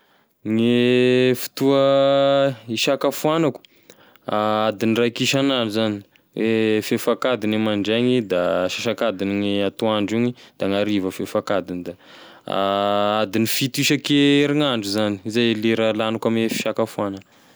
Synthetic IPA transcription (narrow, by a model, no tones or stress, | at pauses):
ŋefi̥t̪uə | iʃakafuanaku̥ | aad̪inirajkiʃanaɳɖ͡ʐuzani̥ | wefefakad̪inemaɳɖ͡ʐeɲid̪aʃaʃakad̪iniŋeat̪oaɳɖ͡ʐiɲid̪̥aŋaɾivəfefakad̪inid̪a̰ | ad̪inifit̪iʃəkeɾiŋaɳɖ͡ʐuzani̥izajleɾalanukamefi̥ʃakafuanə